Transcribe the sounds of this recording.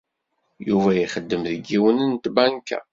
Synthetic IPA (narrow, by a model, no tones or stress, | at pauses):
juvæjiχəd̪ːəmðəɡiwənənt̪bæŋkæ̰